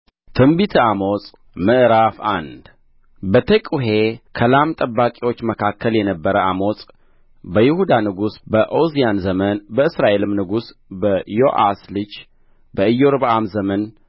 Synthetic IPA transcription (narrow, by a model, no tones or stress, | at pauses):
t̪ʰɨmbit̪ʰɨamosʼ | məʔɾafand̪ | bət̪ʰəkʼuɦekʰəlamt̪ʼəbːakʼiwo̞t͡ʃːməkʰakʰːəljɛnəbːəɾəamo̞sʼ | bəjɪhud̪anɨɡusbəʔozijanzəmənbəɨsɾaʔe̞lɨmnɨɡusbəjoʔa̰slɨd͡ʒ | bəɨjːoɾβʔamzəmən